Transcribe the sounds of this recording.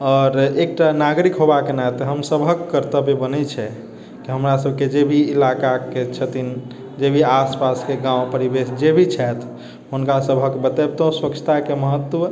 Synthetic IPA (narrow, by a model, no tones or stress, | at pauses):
ɔːɾek̚ʈanaɡɾikɦobakenat̪əɦəmsəbʱəkːəɾt̪əbʱibənɛt͡ʃʰɛ | kiɦəmɾasəb̚ʱked͡ʒebʱiːlakaket͡ʃʰət̪in | d͡ʒebʱiaspaskeɡãũpəɾibesd͡ʒebʱit͡ʃʰɛt̪ʰ | ɦunkasəbʱəkbət̪ɛbt̪õswəkt͡ʃʰə̥t̪akeməɦət̪ːwə